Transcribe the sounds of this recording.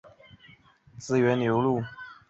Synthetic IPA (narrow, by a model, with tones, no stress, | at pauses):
t͡sɹ̩˥˩ɥɛ˧˥nnjo˧˥ʊlu˥˩